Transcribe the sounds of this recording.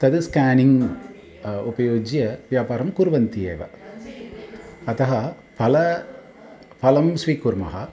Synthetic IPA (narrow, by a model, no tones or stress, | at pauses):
t̪ɐðɯskaːnɪŋ | ʊpɐjoːd͡ʒjɐʋjaːpaːɾɐmkuɾʋɐnt̪iḛːʋɐ̰ | ɐt̪ɐɦɐ | pɐlɐ | pɐlɐmsʋiːkuɾmɐ̰ɦɐ̰